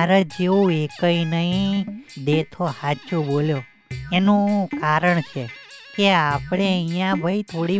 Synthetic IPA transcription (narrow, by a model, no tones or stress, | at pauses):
ɾəd͡ʒeoekəinəĩd̪et̪ʰohat͡ʃuboljo | enũkaɾəɳt͡ʃʰekeapɽ̃eə̃ĩjãbʱəit̪ʰoɽi